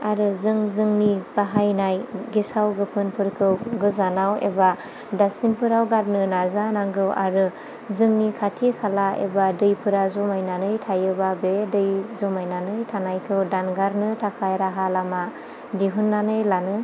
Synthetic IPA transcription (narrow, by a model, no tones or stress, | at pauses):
aɾɯzɯŋzɯŋnibaɦajnajɡisawɡɯpʰɯnpʰɯɾkʰɯwɡɯzanawḛba | daspinpʰɯɾawɡaɾnɯnazanaŋɡɯwʔa̰ɾɯ | zɯŋnikʰatʰikʰalaḛbadɯjpʰɯɾazɔmajnanɯjtʰajɯbabedɯjzɔmajnanɯjtʰanajkʰɯwdanɡaɾnɯtʰakʰajɾaɦalama | diɦunːanɯjlanɯ